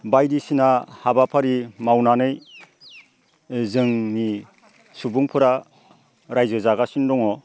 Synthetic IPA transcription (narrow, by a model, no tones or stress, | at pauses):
bajdisinahabapʰaɾimawnanɯj | zɯŋni | subuŋpʰɯɾa | ɾajzɯzaɡasindɔŋɔ